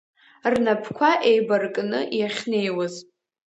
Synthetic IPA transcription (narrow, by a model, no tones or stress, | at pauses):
rnapʰkʷʰaʔejbarkʼnɨʔjaχʲne̞jwaz